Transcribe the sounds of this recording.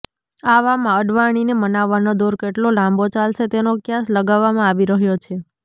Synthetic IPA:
aʋamãəɖʋaɽ̃inemənaʋːanod̪oɾkeʈlolãmbot͡ʃalʃet̪enokjasləɡaʋːamãaʋiɾəɦjot͡ʃʰe

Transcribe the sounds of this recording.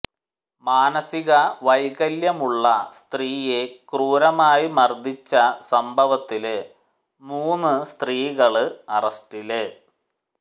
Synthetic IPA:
maːnɐsiɣɐʋɐjɣɐljɐmuɭːɐst̪riːje̞kruːɾɐmaːjimɐrd̪ʱit͡ɕːɐsɐmbʱɐʋɐt̪ːil | muːnːɨst̪riːɣɐɭɨɐrɐstilɨ

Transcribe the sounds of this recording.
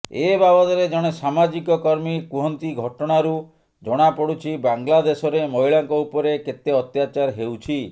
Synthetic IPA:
ebabɔt̪ɔɾed͡ʒɔɽ̃esamad͡ʒikɔkɔɾmikuɦɔnt̪iɡʱɔʈɔɽ̃aɾu | d͡ʒɔɽ̃apɔɽut͡ʃʰibaŋlad̪esɔɾemɔɦiɭaŋkɔupɔɾeket̪eɔt̪jat͡ʃaɾɦewt͡ʃʰi

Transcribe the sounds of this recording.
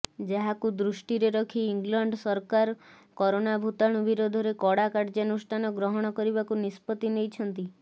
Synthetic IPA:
d͡ʒaɦakud̪ɾusʈiɾeɾɔkʰiːŋɡlɔɳɖsɔɾkaɾ | kɔɾonabʱut̪aɽ̃ubiɾod̪ʱɔɾekɔɽakaɾd͡ʒanusʈʰanɔɡɾɔɦɔɽ̃ɔkɔɾibakunispɔt̪inejt͡ʃʰɔnt̪i

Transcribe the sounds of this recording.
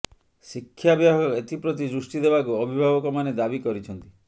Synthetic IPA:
sikʰːjabjaɦɔet̪ipɾɔt̪̬id͡ʒɾusʈid̪ebakuɔbʱibʱabɔkɔmaned̪abikɔɾit͡ʃʰɔnt̪i

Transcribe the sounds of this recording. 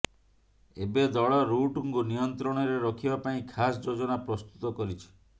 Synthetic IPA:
ebed̪ɔɭɔɾuʈuŋkunijɔnt̪ɾɔɽ̃ɔɾeɾɔkʰibapaĩkʰasd͡ʒod͡ʒɔnapɾɔst̪u̥t̪ɔkɔɾit͡ʃʰi̥

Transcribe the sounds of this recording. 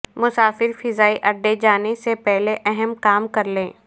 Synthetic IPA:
mʊsaːfɪɾfɪzaːiʔɐɖːed͡ʒaːnesepɛɦleʔɛɦɛmkaːmkɐɾlẽː

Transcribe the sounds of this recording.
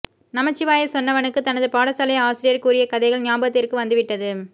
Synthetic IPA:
nɐmɐt͡ʃːɪʋaːjɐsɔnːɐʋɐnɯkːɯt̪ɐnɐðɯpaːɽɐsɐlɐjaːsɪɾɪjɐɾkuːɾɪjɐkɐðɐɪɣɐɭnaːbɐt̪ːɪrkɯʋɐnd̪ɯʋɪʈːɐðɯ

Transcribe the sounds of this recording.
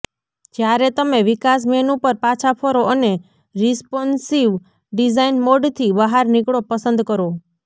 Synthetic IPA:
d͡ʒjaɾɛt̪əmeʋikas̬menũpəɾpat͡ʃʰapʰoɾoʔəne | ɾispɔnsiʋ | ɖid͡ʒainmoɖt̪ʰibəɦaɾnikɽopəsə̃nd̪kəɾo

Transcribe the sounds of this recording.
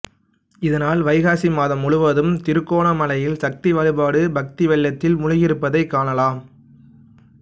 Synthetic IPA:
ɪðɐnaːlʋɐɪɣaːsimaːðɐmːʊɻʊʋɐðɯmt̪ɪɾɯkːoːɳɐmɐlɐjɪlsɐk̚t̪iʋɐɻɯbaːɽɯbɐk̚t̪iʋɛlːɐt̪ːɪlmʊɻʊɣɪɾɯpːɐðɐɪkːaːɳɐlaːm

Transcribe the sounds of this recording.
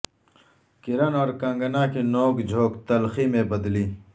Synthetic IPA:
kɪɾɐnɔːɾkãŋɡənãkinoːkd͡ʑʱoːkt̪ɐlximẽbɐd̪liː

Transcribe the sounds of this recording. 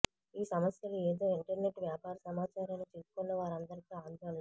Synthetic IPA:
iːsɐmɐsjɐlueːd̪o̞ːiɳʈɐɾne̞ʈːʋjaːpaːɾɐsɐmaːt͡ʃaːɾɐlut͡ʃuːsu̥konːɐʋaːɾɐnd̪ɐɾikiaːnd̪ɐlːa

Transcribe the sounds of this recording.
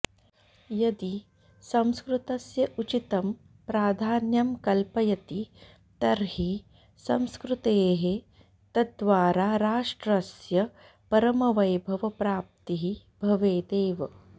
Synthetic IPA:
jɐd̪i | sɐ̃mskɾut̪ɐsjɐʔut͡ʃit̪ɐm | pɾaːd̪ʱaːnjɐmkɐlpɐjɐt̪i | t̪ɐɾɦi | sɐmskɾut̪eːɦe | t̪ɐd̪ʋaːɾaːɾaːʂʈɾɐsjɐ | pɐɾɐmɐʋɐjbʱɐʋɐpɾaːp̚t̪iɦi | bʱɐʋeːd̪eːʋɐ

